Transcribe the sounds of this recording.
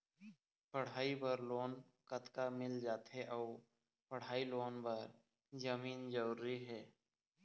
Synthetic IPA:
pəɽ̤aːibəɾloːn | kət̪kamɪld͡ʒaːt̪ɦɛʔɔː | pəɽ̤ɦaːiloːnbəɾ | zəmiːnd͡ʒəɾːiɦɛː

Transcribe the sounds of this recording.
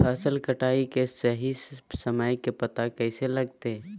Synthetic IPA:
pʰaːsɪlkəʈaːikesəɦisəməjkepɐt̪akɛːselɐɡt̪e

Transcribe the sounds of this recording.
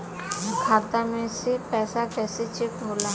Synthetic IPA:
kʰaːt̪amẽsepɛːsakɛːset͡ʃɪkɦoːlaː

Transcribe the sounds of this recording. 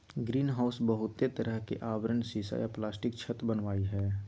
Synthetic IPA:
ɡɾiːnɦaːʊsbəɦʊt̪ːet̪əɾəɦkḛʔaːʋɾənsiːsa̰ːjaplaːsʈɪk̚t͡ʃʰət̪bənʋaːiɦɛː

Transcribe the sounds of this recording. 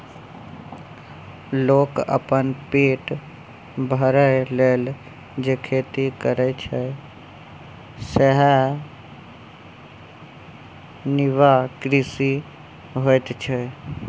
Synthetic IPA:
loːkə̰pənpeːʈ | bʱəɾəleːl | d͡ʒekʰeːt̪ikəɾɛt͡ʃʰə | səɦɛ | nɪʋakɾɪsi | ɦojt̪t͡ʃʰɛ

